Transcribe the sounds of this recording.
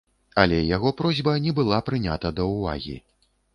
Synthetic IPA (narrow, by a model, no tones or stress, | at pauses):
ɐlʲɛjaɣɔpɾɔzʲbɐnʲɛbɨlˠapɾɨnʲat̪ɐd̪ɐwva̰ɣʲḭ